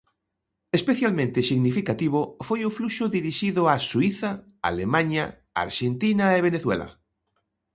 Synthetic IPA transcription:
espeθjalmẽnt̪esiɣnifikat̪iβ̞ofojufluʃʊðiɾiʃiðʊasuiθa | a̰lemãɲa | a̰ɾʃent̪inaeβ̞eneθwḛla̰

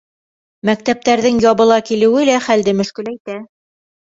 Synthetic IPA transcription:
mæk̚t̪æp̚t̪æɾðɘŋjɑβɤ̆lˠɑkilɘ̆wɘlæχæld̪ɘmɵ̆ʃkɘ̆læjt̪æ

